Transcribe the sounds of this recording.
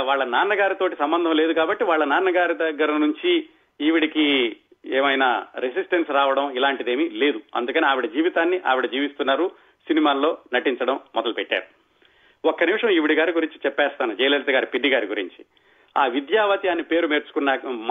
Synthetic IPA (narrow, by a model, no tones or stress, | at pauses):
ʋaːɭːɐnaːnɐɡaːɾit̪o̞ːʈisɐmbɐnd̪ʱɐmle̞ːd̪ukaːbɐʈːiʋaːɭːɐnaːnɐɡaːɾid̪ɐɡːɐɾɐnuɲt͡ʃiː | ʋiɽiki | eːmɐjnaɾes̬isʈensɾaːʋɐɽɐmilaːɳʈid̪e̞ːmile̞ːd̪uɐ̰nd̪ukɐniaːʋiɽɐd͡ʒiːʋit̪aːnːiʔa̰ːʋiɽɐd͡ʒiːʋist̪unːaːɾu | sinimaːlo̞ːnɐʈiɲt͡ʃɐɽɐmːɔd̪ɐlupɛʈːa̰ːɾu | ɔkːɐnimʂɐmiʋiɽiɡaːɾiɡuɾiɲt͡ʃi̥t͡ʃɛpːɛːst̪aːnud͡ʒɛjlelt̪ɐɡaːɾipiɖːiɡaːɾiɡuɾḭɲt͡ʃi̥ | aːʋid̪jaːʋɐt̪jaːnːipe̞ːɾumeːɾt͡ʃu̥kunːɐ